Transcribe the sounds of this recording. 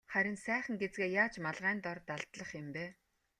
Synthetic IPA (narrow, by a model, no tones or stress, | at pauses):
χæɾʲɪ̆nsæːχə̆ŋɡet͡sɡeːjaːt͡ɕmaɮʁæːnt̪ɔrt̪aɮt̪ɮə̆χɪ̆mpeː